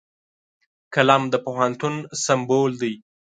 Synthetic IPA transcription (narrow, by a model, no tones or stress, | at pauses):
kalamd̪əpohant̪unsambold̪aj